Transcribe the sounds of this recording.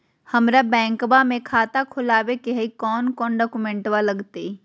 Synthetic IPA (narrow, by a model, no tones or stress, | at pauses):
hɐmɾabɛ̃ːŋkbamẽkʰaːt̪akʰʊlaːwekeɦəikɔːnkɔːnɖɔːkumẽɳʈwalɐɡt̪e